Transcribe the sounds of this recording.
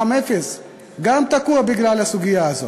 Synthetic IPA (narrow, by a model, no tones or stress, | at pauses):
amefes | ɡam̚t̪akuɐbiɡɾalɐsuɡiazo